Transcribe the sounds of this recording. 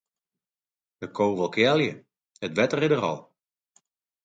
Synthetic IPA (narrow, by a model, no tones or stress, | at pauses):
dəkʰowʋɔlˠkjɛljə | hətʋɛtərɪdərɔ̰lˠ